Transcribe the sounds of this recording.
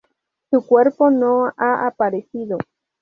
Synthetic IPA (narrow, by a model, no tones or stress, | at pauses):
sukweɾponoaʔapaɾesiðo